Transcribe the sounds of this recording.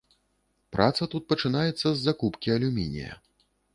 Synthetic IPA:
pɾʔat̪sɐt̪ut̪̚pɐt͡ʂɨnajɛt̪sːɐzːakupkʲiɐlʲumʲinʲḭjɐ̰

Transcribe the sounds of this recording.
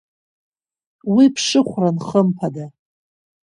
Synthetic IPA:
wipʰʂɨχʷranχəmpʰada

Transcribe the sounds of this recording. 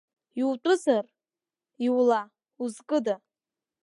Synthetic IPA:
iwtʷʼʊzar | iwla | uzkʼɨda

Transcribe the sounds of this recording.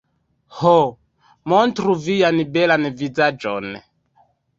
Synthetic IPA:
ho | montɾuvijanbɛlanvizad͡ʒo̰n

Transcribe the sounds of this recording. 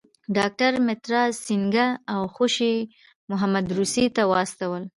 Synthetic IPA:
ɖɑk̚ʈaɾmɪt̪ɾɑsiŋɡaːwxoʃi | mʊɦamad̪ɾusit̪awɑst̪awəl

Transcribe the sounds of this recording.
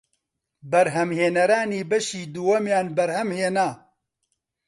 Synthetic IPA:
bɐɾɦɐmheːnɐɾaːniːbɐʃiːd̪uwɐmjaːnbɐɾhɐmheːnaː

